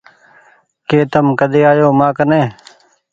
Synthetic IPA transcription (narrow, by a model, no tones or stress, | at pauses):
keːt̪əmkəd̪eːaːjoːmaːkənẽː